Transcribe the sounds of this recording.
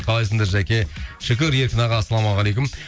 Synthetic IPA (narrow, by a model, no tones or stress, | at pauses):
qʰɑlˠɑjs̬əŋd̪ɑɾʒækʲe̞ʃɪkʲɪɾje̞ɾkʲɪnɑʁɑsːɑlˠɑmɑʁɑlʲˠejk̬ʲʊm